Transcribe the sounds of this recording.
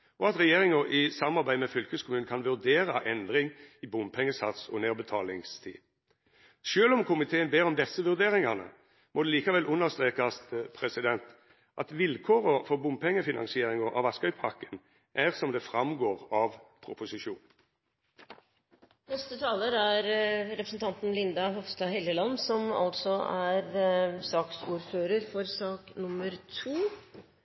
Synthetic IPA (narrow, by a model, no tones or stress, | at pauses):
ʔɔɑt̪ʁɛjeːʁɪŋɔʔɪsɑmɑʁbæɪmɛfʏlkəskʰʊmʉːnkʰɑnʋʉʁd̪eːɾəʔɛnd̪ʁɪŋɪbʊmpʰɛŋːəsɑt̪sɔ̰neːʁbət̪ʰɑːlɪŋst̪ʰḭː | ʃøːlɔmkʰʊmɪt̪ʰeːənbeːʁɔmd̪ɛsːəʋʉʁd̪eːɾɪŋɑʁnə̰ | mʔɔd̪ɛliːkɑʋɛlʔʊnːəʁst̪ʁeːkɑspʰɾɛsɪd̪ɛnt̪ | ʔɑt̪ʋɪlkʰoːʁəfɔʁbʊmpʰɛŋːəfɪnɑ̰nsɪeːɾɪŋɔʔɑ̰ʋɑskœʏpʰɑʁkə̥n | ʔæʁsɔmd̪ɛfʁɑmɡoːʁɑʋpʰɾʊpʊsɪʃuːn | nɛst̪ət̪ʰɑːləɾæɾɾɛpɾəsn̩t̪ʰɑnt̪n̩lɪnd̪ɑɦɔfst̪ɑɦɛljəlɑnsɔmɑ̰lt̪sɔæɾsɑːksuːɾføːɾəɾfɔɾsɑːknʊmːəɾt̪ʰuː